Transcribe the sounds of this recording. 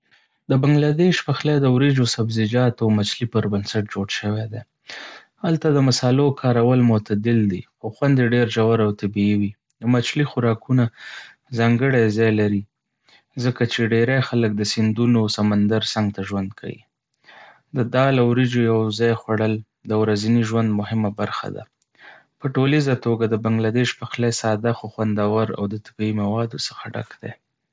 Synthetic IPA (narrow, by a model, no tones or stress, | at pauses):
d̪əbaŋɡlad̪eʃpaxlad̪əwɾid͡ʒosabzɪd͡ʒɑt̪awmat͡ʃlipəɾbənsaʈ̚d͡ʒoɽʃəwed̪e | halt̪ad̪əmasɑlokʰɑɾawəlmʊt̪ad̪ɪld̪ixoxwand̪eɖeɾʒawaɾawt̪abiiwi | d̪əmat͡ʃlixʊɾɑkuna | zɑŋɡəɽajzɑjlaɾi | zəkat͡ʃeɖeɾajxalək̚d̪əsɪnd̪unosamand̪aɾsaŋɡt̪aʒwand̪kʰa̰wḭ | d̪əd̪ɑlawɾid͡ʒojawzɑjxwaɽəl | d̪əwɾaziniʒwand̪mʊhɪmabaɾxa̰d̪a̰ | pəʈolizat̪oɡad̪əbaŋɡlad̪eʃpaxlajsɑd̪axoxwand̪awaɾa̰wd̪ət̪ḁbiimawɑd̪osə̥xaɖa̰kd̪̥ḛ